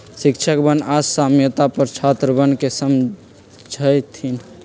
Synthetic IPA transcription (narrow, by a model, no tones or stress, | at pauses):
sikt͡ʃʰəkbənasamjət̪apəɾt͡ʃʰat̪ɾəbənkesəm | d͡ʒʱəjt̪ʰin